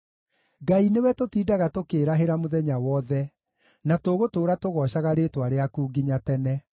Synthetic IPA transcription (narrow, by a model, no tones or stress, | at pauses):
ɡainewɛtotiːdaɣatokeːɾaɦeɾamoðɛɲawɔðɛ | natoɣotoːɾatoɣɔɕaɣaɾeːtwaɾeakuːɡiɲatɛnɛ